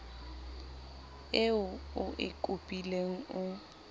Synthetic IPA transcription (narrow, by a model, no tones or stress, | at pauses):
ɪʊʊʔɪkʼʊpʼileŋ̩ʊ